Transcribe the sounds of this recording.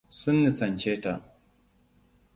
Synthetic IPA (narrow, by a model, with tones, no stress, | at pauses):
sʊ˦nːi˨sɐ˨nt͡ʃeː˦ta˨ʔ